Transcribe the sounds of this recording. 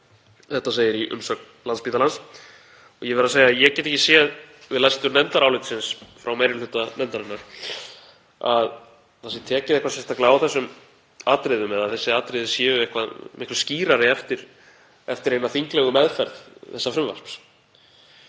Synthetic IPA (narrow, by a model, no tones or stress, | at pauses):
θɛht̪aseːjɪɾiʔʏ̰msœk | lanspiːt̪alans | ɔjɛvɪɾaðseːjaðjɛcɛt̪ɛhcːɪ̥sjɛðvɪðlast̪ʏɾnɛnt̪aɾaːwlɪt̪sɪnsfɾawmejɾɪlʏt̪anɛnt̪aɾɪnːaɾ̥ | að | θasɪt̪ʰɛːcɪðɛhkvasɛmst̪aklaawθɛsːʏm | aːt̪ɾɪðʏmɛðaðθɛsːɪaːt̪ɾɪðʏsjɛːvʏɪhkvaðmɪhkvʏsciːɾaɾɪɛft̪ɪɾ̥ | ɛft̪ɪɾejnaθiŋklɛɣʏmɛðfɛɾðθɛsːafɾʏmva̰sps